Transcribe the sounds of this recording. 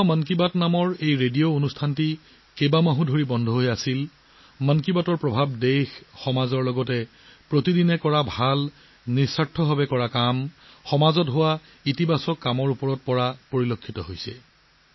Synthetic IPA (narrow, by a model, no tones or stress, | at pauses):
mankibatnamɔɹejɹedijoonustʰanti | kebamaɦũdʱoɹibɔndʱɔɦojasil | mankibatɔɹpɹɔbʱabdexxɔmazɔɹlɔɡɔtɛ | pɹotidinɛkɔɹabʱal | niɹsatʰːɔbʱabɛkɔɹakamxɔmazɔtɦʊwa | itibasɔkːamɔɹupɔɹɔt̚pɔɹapoɹilokʰːitɔɦojsɛ̰